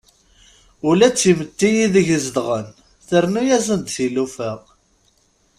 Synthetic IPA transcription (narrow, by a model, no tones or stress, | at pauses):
ulæt͡sːimət̪ːijiðəʝəzd̪ʁən | θəɾnujæzənd̪θilufəʁ